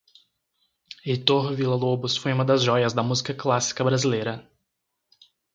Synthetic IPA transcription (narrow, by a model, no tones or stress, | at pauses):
it̪oɦvilɐlobʊsfojũmɐd̪ɐzʒɔjɐzd̪ɐmuzikɐklasi̥kɐbɾazilejɾɐ